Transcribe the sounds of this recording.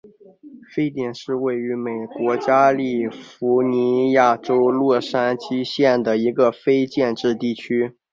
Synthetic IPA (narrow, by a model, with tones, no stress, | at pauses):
fe˥ɪt̪jɛ˨˩nʂɻ̩˥˧we˥˩ɪy˧˥me˨˩ɪkwɔ˧˥t͡ɕja˥li˥˩fu˧˥ni˧˥ja˥˩ʈ͡ʂo˥ʊlwɔ˥˩ʂa˥nt͡ɕi˥ɕjɛ˥˩nd̪ə˩i˧˥ɡə˧fe˥ɪt͡ɕjɛ˥˧nʈ͡ʂɻ̩˥˧t̪i˥˩t͡ɕʰy˥